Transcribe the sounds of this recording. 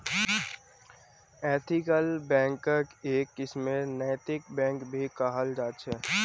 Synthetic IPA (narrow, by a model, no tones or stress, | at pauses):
ɛːt̪ʰɪkəlbɛ̃ːŋkːəkeːkɪsmẽnɛːt̪ɪkbɛ̃ːŋkbʱikaɦəld͡ʒaːʃʰɛː